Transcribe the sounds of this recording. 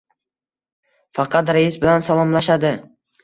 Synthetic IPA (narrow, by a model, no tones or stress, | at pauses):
fɑqʰɑt̪ɾaɪsbɪlansalˠɒmlaʃad̪ɪ